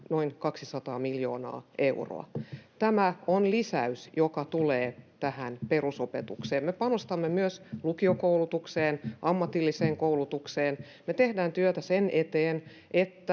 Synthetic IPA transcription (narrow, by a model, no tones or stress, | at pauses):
noiŋkɑksisɑt̪ɑːmiljoːnɑ̰ːʔeuro̰ɑ̰t̪æmæonlisæysjokɑt̪uleːt̪æhænperusopet̪ukseːmmepɑnost̪ɑmːemyøslukiokoulut̪ukseːnʔɑmːɑt̪ilːiseːŋkoulut̪ukseːn | met̪ehdæːnt̪yøt̪æsenet̪eːn | ʔet̪ːæ